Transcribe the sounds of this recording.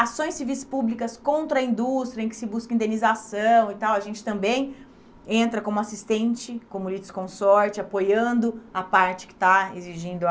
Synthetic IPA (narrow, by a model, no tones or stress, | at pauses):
asõj̃sivijspublikɐskõnt̪ɾɐĩnd̪ust̪ɾiɐẽkɪ̥sɪbuskɐĩd̪ẽnizasɐ̃w̃it̪awɐʒẽnt͡ʃɪ̥t̪ɐ̃mbẽj̃ | ẽnt̪ɾɐkõmʊasist̪ẽnt͡ʃɪkõmʊlid͡ʒ̪ɪskõsɔɾt͡ʃɪapojɐ̃nd̪ʊapaɾt͡ʃɪ̥kɪ̥t̪aeziʒĩnd̪ʊ